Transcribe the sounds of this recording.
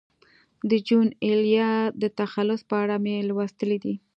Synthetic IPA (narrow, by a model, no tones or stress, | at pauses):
d̪əd͡ʒuneljɑd̪ət̪axalːʊspəaɽamelwast̪əlid̪i